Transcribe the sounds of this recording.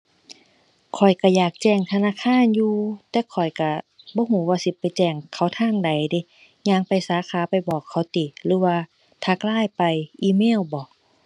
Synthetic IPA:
kʰɔ˨˩jka˧˩jaː˨˩k̚t͡ɕɛː˧˩ŋt̪ʰa˧naː˧˥˨kʰaː˧˥˨njuː˧t̪ɛː˧˩kʰɔ˨˩jka˧˩bɔː˧˦ɦuː˧˦waː˧si˧˦pːa˨jt͡ɕɛː˧˩ŋkʰa˧˩wt̪ʰaː˧˥˨ŋda˨˩jde˧˦ | ɲaː˧˥˨ŋpa˨jsaː˨˧˦kʰaː˨˦pa˨jbɔː˨˩kʰːa˧˩wt̪iː˨˩lɯː˨˦waː˧ | t̪ʰaː˧klaː˧˥˨jpa˨jʔiː˧˦meː˧˥˨wbɔː˨˦

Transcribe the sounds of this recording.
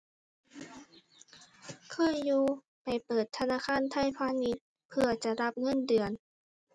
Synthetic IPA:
kʰɯː˧˥˨juː˧ | pa˨˩jpɤː˨˩t̪ʰːa˧naː˧˥˨kʰaː˧˥˨nt̪ʰa˧˥˨jpʰaː˧ni˧t̪̚ | pʰɯ˧ɐt͡ɕa˨˩ɾa˧˥p̚ŋɤ˧˥˨ndɯ˨˩ən

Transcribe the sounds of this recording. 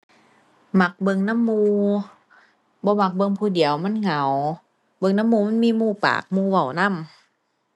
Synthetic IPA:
ma˧˦k̚bɤ˧ŋna˧˥˨mːuː˧ | bɔː˧ma˧˩k̚bɤ˧ŋpʰuː˧˩˨di˨˩˦əwma˧˥˨nŋa˨˩˦w | bɤ˧ŋna˧˥˨mːuː˧ma˧˥˨nmiː˧˨muː˧˩pa̰ː˨˩k̚muː˧˨wa˨˩wna˧˥˨m

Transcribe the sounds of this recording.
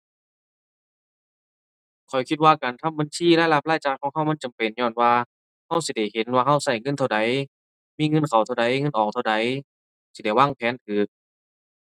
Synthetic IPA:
kʰɔ˨˩jkʰi˧t̪̚waː˧kaː˨˩nt̪ʰa˧˥˨ba˨nsiː˧˥˨laː˧˥˨jla˧˩p̚laː˧˥˨jt͡ɕaː˧˩k̚kʰɔː˧˦ŋɦa˧˥˩wma˧˥˨nt͡ɕa˨mpe˨˩nɲɔː˧˩˨nwaː˧ | ha˧˥˩wsi˧˦da˧˩jhe˨˦nwaː˧ɦa˧˥˩wsa˧˩jŋɤ˧˥˨nt̪ʰa˧˩wda˨˦j | miː˧˥˨ŋɤ˧˥˨nkʰa˨˩wt̪ʰwda˨˦jŋɤ˧˥˨nʔɔː˨˩kt̪ʰwda˨˦j | si˧da˧˩jwaː˧˥˨ŋpʰɛː˨˥˦nt̪ʰɯː˨˩k̚

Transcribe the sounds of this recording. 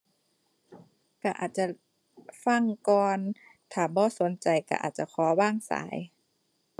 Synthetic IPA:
ka˧˩ʔa̰ː˨˩t̪̚t͡ɕa˧ | fa˧˥˩ŋkɔː˧n | t̪ʰaː˧˩bɔː˧˦so˨˦nt͡ɕa˨jka̰˧˩ʔa̰ː˨˩t̪̚t͡ɕa˧˩kʰɔː˩˦waː˥˩ŋsa̰ː˩˦j

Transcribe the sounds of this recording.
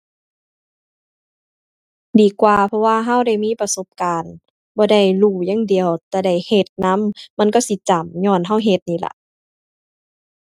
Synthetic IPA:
diː˨˩kwaː˨˧˨pʰɔ˧waː˧˨ɦa˧˥˨wda˧˥˩jmiː˧˥˨pa˧so˧˦p̚kaː˨n | bɔː˧˦da˧˩jluː˧˩ja˧˥˨ŋdi˨˩əwt̪ɛː˧˩da˧˩jhe˧˩t̪̚na˧˥˨mma˧˥˨nkɔː˧˥˩si˧˦t͡ɕa˨˩mɲɔː˧˩˨nɦa˧˥˩wɦe˧˦t̪̚niː˧˩la̰˧˦ʔ

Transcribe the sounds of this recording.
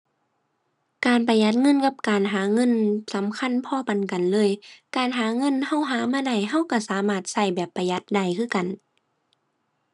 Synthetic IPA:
kaː˨˩npa˧ja˧˥t̪̚ŋɤ˧˥˨nka˧˩p̚kaː˨nɦaː˨˦ŋɤ˧˥˨nsa˨˦mkʰa˧˥˨npʰɔː˧˨pa˨nka˨nlɤː˧˥˨jkaː˨˩nɦaː˨˦ŋɤ˧˥˨nha˧˥˨wɦaː˨˦maː˧˥˨da˧˩jɦa˧˥˨wka˧˩saː˨˦maː˧˩t̪̚sa˧˩jbɛː˨˩pːa˨˧ja˧˥t̪̚da˧˩jkʰɯː˧˥˨ka˨˩n

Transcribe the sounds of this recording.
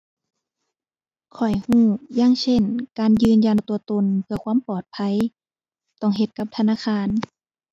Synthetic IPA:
kʰɔ˨˩jhuː˧˩jaː˧˥˨ŋsʰe˧˥˨nkaː˨˧njɯː˧nja˧nt̪u˧ɐt̪o˧˨npʰɯ˧ɐkʰwaː˧˥˨mpɔː˨˩t̪̚pʰa˧˨j | t̪ɔ˧˩˨ŋɦe˧˦t̪̚ka˧˥p̚t̪ʰa˧naː˧˥˨xʰaː˧˨n

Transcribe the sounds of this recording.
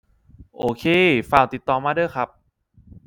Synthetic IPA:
ʔoː˨˧kʰeː˧˩faː˨˩wt̪i˨˩t̪ːɔː˨˩maː˧˩dɤː˥˨jkʰɾa˦˥p̚

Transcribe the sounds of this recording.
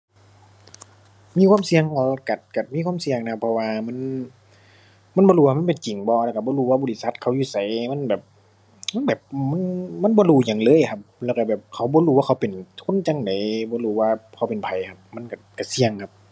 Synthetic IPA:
miː˧˥kʰwaː˧˥˨msi˧əŋɔː˧ka˨˩t̪̚ka˨˩miː˧˥kʰwaː˧˥˨msi˧əŋna˧kʰpʰːɔ˧waː˧ma˧˥˨n | ma˧˥˨nbɔː˧huː˧aː˧ma˧˥˨pe˨nt͡ɕi˨˩ŋbɔː˧˦lka˧˩bɔː˧˦huː˧˩waː˧bɔː˧˨li˧sa˧˦t̪̚kʰa˧˦wjuː˧sa˨˦jma˧˥˨nbɛː˨˩p̚ | ma˥nbɛː˨˩p̚ma˧˥˨nma˧˥˨nbɔː˧luː˧˩ɲa˨˩˨ŋlɤː˧˨jkʰa˧p̚lɛː˧˩wka˧˩bɛː˨˩p̚kʰa˨˩wbɔː˧˦luː˧waː˧kʰa˧˦wpe˨nkʰo˧˥˨nt͡ɕa˧˨ŋda˨˦jbɔː˧˦luː˧˩waː˧kʰa˧˩wpe˨npʰa˨˩jkʰa˧p̚ma˧˥˨nka˧˩ka˧˩si˧əŋkʰa˧p̚

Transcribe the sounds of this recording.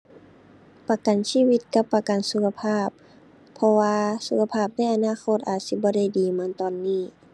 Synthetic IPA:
pa˧ka˨nsiː˧˥˨wi˧t̪̚ka˧pːa˧ka˨nsu˧kʰa˧pʰaː˥˩pʰː | ɔ˧waː˧su˧kʰa˧pʰaː˥˩p̚na˧˥˨ʔa˨˧˨naː˧˥˨kʰo˧˥˨t̪̚ʔaː˨˩t̪̚si˧˦bɔː˧˦da˧˩˨jdiː˨ma˧˥˨nt̪ɔː˨nːiː˧˩

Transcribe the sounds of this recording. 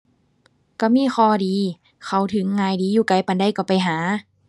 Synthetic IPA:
ka˧˩miː˧˥˨xʰɔː˧˩diː˨˧˦ | kʰa˧˩wt̪ʰɯ˨˦ŋːaː˧jdiː˨˧˦juː˧˩ka˧˩jpa˧nda˧˥˨jka˧˩pa˧jɦaː˩˦

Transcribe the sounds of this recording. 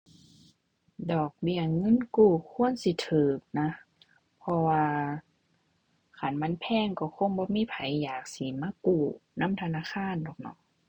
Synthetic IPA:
dɔː˨˩k̚bi˧˩əŋɤ˧˥˨nkuː˧˩kʰu˧˥˨ə˨nsi˧˦t̪ʰɯː˨˩k̚na˧˥ | pʰɔ˧waː˧ | kʰa˨˦nma˧˥˨npʰɛː˧˥˨ŋkɔ˧˩kʰo˧˥˨ŋbɔː˧˦miː˧˥˨pʰa˨˦jːaː˨˩k̚si˧˨˦maː˧˥˨kuː˧˩na˧˥˨mt̪ʰa˧naː˧˥˨xʰaː˧˥˨ndɔː˨˩k̚nɔ̰˧˦

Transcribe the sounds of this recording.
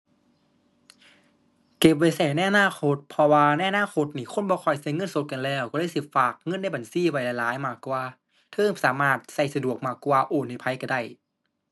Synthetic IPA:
ke˨˩p̚wa˧˩jsɛː˧˩˦na˧˨ʔa˧naː˧˥˨xʰo˧˦˥t̪̚pʰɔ˧waː˧na˧˨ʔa˧naː˧˥˨xʰo˧˥t̪̚niː˧˩kʰo˧˥˨nbɔː˧kʰɔː˧˩jsa˧˩˨ŋɤ˧˥˨nso˧˦t̪̚ka˧nlɛː˧˩˨wkɔː˧˩ɾaː˧˥˨jsi˧˩faː˨˩k̚ŋɤ˧˥˨nda˥˩jba˨˩nsiː˧˥˨wa˧˩jla˧jlaː˨˦jmaː˧˩kːwaː˧ | t̪ʰɤː˧˥˨ŋsaː˩˦maː˧˩t̪̚sa˧˩jsa˧du˨˩ək̚maː˧˩kːwaː˧ʔoː˨˩nːa˧˩pʰa˧˦jka˧˩da˧˩j

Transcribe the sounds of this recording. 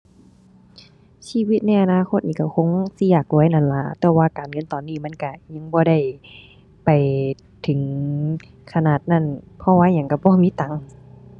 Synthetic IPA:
siː˧˥˨wi˧˦t̪̚na˧˥˧jʔa˧naː˧˨xʰo˧t̪̚niː˧˩ka˧˩kʰo˧˥˨ŋsi˧jaː˧˩k̚luː˧˨˧jna˧˥˩nla˧˦t̪ɛː˧waː˧kaː˨nŋɤ˧˥˨nt̪ɔː˨nːiː˧˩˨ma˧˥˨nka˧˩ɲa˧˥˨ŋbɔː˧˦ɾa˧˩j | pa˨˩j | t̪ʰɯ˨˦ŋ | kʰa˧naː˧˩t̪̚na˧˥˨n | pʰɔ˧˦waː˧˥˨ɲa˨˧˦ŋka˧˩bɔː˧˦miː˧˥˨t̪a˨˦ŋ

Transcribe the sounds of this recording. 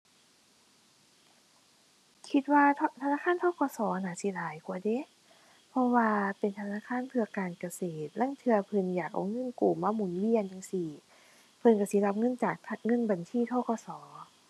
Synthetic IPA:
kʰi˧˦t̪̚waː˧t̪ʰa˧naː˧˥˨kʰaː˧˥˨nt̪ʰɔː˧˥˩kɔː˧˩sɔː˩˦˧naː˨˩˦si˧˦laː˨˦jku˧˨ɐde˧˦˨ | pʰɔ˧waː˧pe˨nt̪ʰa˧naː˧˥˨kʰaː˧˥˨npʰɯ˧ɐkaː˨nka˧seː˨˩t̪̚la˧˥˨ŋt̪ʰɯ˧ɐpʰɯ˧njaː˨˩k̚ʔɔ̰˨˩ŋɤ˧˥˨nkuː˨˩maː˧˥˩mu˨˩˦nwi˧˨ənja˧ŋsi˧˩ | pʰɤ˧˨nka˧˩si˧˦la˧p̚ŋɤ˧˥˨nt͡ɕaː˨˩k̚t̪̚ʰŋɤ˧˥˨nba˨nsʰiː˧˥˨t̪ʰɔː˧˥˩kɔː˧˦sɔː˩˦

